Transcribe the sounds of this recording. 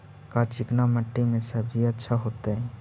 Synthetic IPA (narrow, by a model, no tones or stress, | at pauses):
kat͡ʃɪknaməʈːimẽsəbʱiətːʃʰaɦoːt̪eɦɛ̃